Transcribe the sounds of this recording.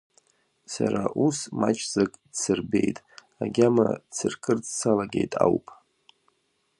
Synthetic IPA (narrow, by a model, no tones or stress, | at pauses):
saɾaʔusmat͡ʃʰʼzakʼt͡sʰɨrbejtʼ | aɡʲamat͡sʰɨrkʰɨrt͡sʼt͡sʰalaɡʲejtʼawpʼ